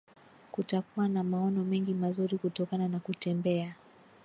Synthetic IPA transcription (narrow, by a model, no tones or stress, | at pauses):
kutakuwanamaɔnɔmɛŋɡimazuɾikutɔkananakutɛmbɛa